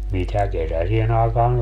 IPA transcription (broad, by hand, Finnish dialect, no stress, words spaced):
mitæ kesæsien ɑˑekɑːn